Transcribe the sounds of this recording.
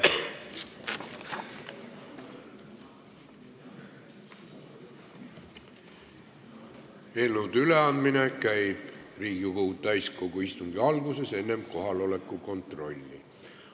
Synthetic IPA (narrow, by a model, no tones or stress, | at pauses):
e̞ːlnowd̪̥yle̞ɑnd̪mine̞kæjb̥riːɡ̥ikot̪æjsko̞ɡ̥uist̪uŋɡiɑlɡuse̞se̞nːe̞mko̞ɦɑlo̞le̞kːˑuko̞nt̪ro̞lʲːḭ